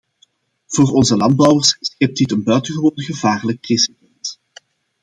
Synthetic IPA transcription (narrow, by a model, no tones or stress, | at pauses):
v̥oːrɔnzəlɑnd̚bɔwərsɪsxɪp̚titənbœɥtənɣəʋoːnəɣəvaːrlək̚ːrisibɛnt